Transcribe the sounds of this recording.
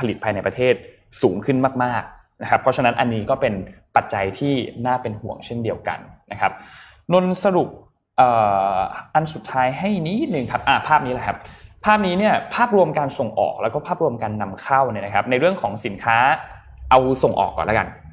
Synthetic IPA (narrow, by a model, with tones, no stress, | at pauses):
pʰa˧li˨˩pʰaː˧jna˧jpɾa˧t̪ʰeː˥˩t̪̚ | suː˩˦ŋkʰɯ˥˩nmaː˥˩k̚maː˥˩k̚ | na˦˥kʰa˦˥pʰːɾɔ˦˥t͡ɕʰa˧na˦˥nʔa˧nːiː˦˥kɔː˥˩pe˧npa˨˩t̪̚t͡ɕa˧jt̪ʰiː˥˩naː˥˩pe˧nhu˨˩əŋt͡ɕʰe˥˩ndi˧əwka̰˧nna˦˥kʰa˦˥p̚ | no˧nsa˧ɾu˨˩p̚ | ʔɤː˨˩ʔa˧nsu˨˩t̪ʰːaː˦˥jɦa˥˩jni˦˥nɯ˨˩ŋkʰa˦˥p̚ʔaː˨˩pʰaː˥˩p̚niː˦˥laː˧˩kʰa˦˥p̚pʰaː˥˩p̚niː˦˥ni˥˩ɐpʰaː˥˩p̚ɾu˧əmkaː˧nso˨˩ŋʔɔ̰ː˨˩k̚lɛ˦˥wkɔː˥˩pʰaː˥˩p̚ɾu˧əmkaː˧nːa˧mkʰa˥˩wni˥˩ɐna˦kʰa˦˥p̚na˧jɾɯ˥˩əŋkʰɔː˩˦ŋsi˩˦nkʰaː˦˥ | ʔa˧wso˨˩ŋʔɔ̰ː˨˩kːɔː˨˩nlka̰˧n